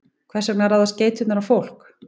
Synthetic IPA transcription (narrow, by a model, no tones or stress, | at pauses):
kʰvɛrsɛknaɾaðasceːjt̪ʏt̪naɾafowl̥k